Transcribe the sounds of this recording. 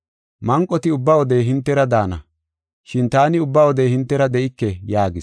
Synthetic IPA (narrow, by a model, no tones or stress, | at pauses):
mɐŋkʼːɔt̪ɪʊbːɐwɔd̪ejɦɪnt̪ːɛɾɐd̪aːnɐ̰ | ʃɪnt̪aːnɪʊbːɐwɔd̪ehɪnt̪ːɛɾɐd̪ɛʔɪkːɛjaːɡɪs